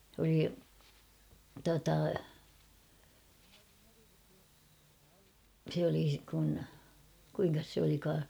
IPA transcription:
s oli tuɑtɑ se oli kun kuiŋkɑs se olikɑː

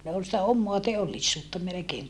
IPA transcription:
ne ol sĭtæ omːoɑ teolːisːuːtːɑ melekeːŋ

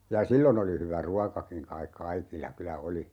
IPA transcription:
jɑ silːon oli hyʋæ ruɑkɑkiŋ kɑik kɑikilːɑ kylæ oli

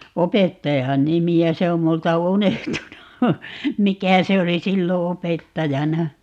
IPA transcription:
opetːɑjɑn nimiæ se om multɑ unehtunu mikæ se oli silːo opetːɑjɑnɑ

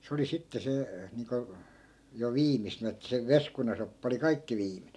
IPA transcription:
se oli sitːe se niːŋko jo ʋiːmisenæ̆ etːæ se ʋeskunɑsopːɑ oli kɑikːi ʋiːmine

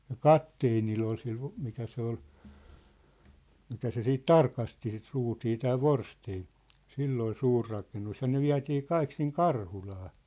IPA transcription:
jɑ kɑtːeːnilː ol sil ho mikæ se ol mikæ se siːt tɑrkɑsti sit ruːtiː tæː ʋorsteːn silː ol suːr rɑkenːus jɑ ne ʋiæ̝tiː kɑik siŋ kɑrhulɑː

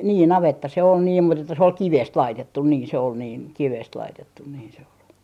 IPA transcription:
niː nɑʋetːɑ se on niːm mut etːæ se ol kiʋest lɑitetːun niːn se ol niːn kiʋest lɑitetːun niːn se ol

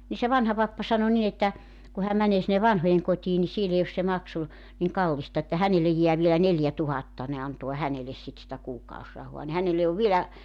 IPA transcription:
ni se ʋɑnhɑ pɑpːɑ sɑno nin etːæ ku hæm mæneː sinːe ʋɑnhojeŋkotʲiː ni siel ei os se mɑksu niŋ kɑlːistɑ etːæ hænelej jeæ ʋielæ neljætuhɑtːɑ ne ɑnto̝ɑ hæneles sit sĭtæ kuːkɑosrɑhoɑ ni hænelːe oʋ ʋielæ

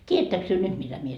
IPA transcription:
tʲiæætːæks tyø nyt mitæ mie

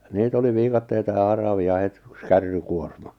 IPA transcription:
niːt oli ʋiːkɑtːeitɑ jɑ hɑrɑʋiɑ het y̆ks kærːykuormɑ

